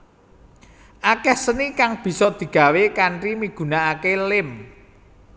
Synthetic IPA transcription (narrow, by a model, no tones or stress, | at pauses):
ʔakɛhsənikaŋb̥i̤sɔd̪̥i̤ɡ̥a̤wekaɳʈrimiɡ̥ṳnaakelɪm